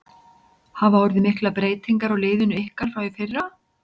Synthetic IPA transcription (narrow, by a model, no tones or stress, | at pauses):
havaɔɾðɪmɪhklapɾeːjt̪iŋkaɾɔɣleːjðʏnʏehkaɾ̥fɾawjɪfɪrːa